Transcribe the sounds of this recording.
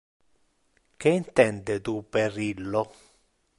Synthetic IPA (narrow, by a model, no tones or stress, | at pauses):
keint̪ɛnd̪et̪uperilːo